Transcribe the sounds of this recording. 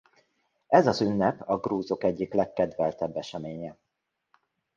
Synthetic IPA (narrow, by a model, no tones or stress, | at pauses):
ɛzɒzynːɛpɒɡruːzo̞kɛɟːiklɛkːɛd̪ʋɛlt̪ɛbːɛʃɛmeːɲɛ